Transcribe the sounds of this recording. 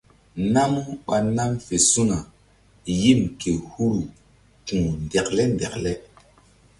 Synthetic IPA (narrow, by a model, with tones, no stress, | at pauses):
na˦mu˦ɓa˨na˦mfe˨su˦na˨ | ji˦˨mke˨hu˦ɾu˨ | tũ˨n˨de˨klɛ˦nde˨klɛ˦